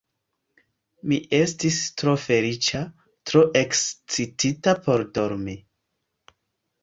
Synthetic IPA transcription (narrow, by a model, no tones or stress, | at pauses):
miʔe̞stistɾo̞fe̞lit͡ʃa | tɾo̞ʔe̞kst͡sititapo̞ɾdo̞ɾmi